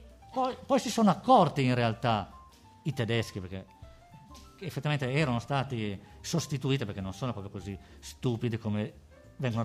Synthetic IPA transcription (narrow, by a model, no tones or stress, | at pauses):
pɔjpɔjsisoːnoakːɔrt̪iːnrealt̪a | it̪ed̪ɛsk̟iperk̟e | efːet̪ːivament̪eɛːɾanost̪aːt̪isost̪it̪uiːt̪ipeɾkenːonsoːnopɾɔpɾjokozist̪uːpid̪ikome | vɛŋɡon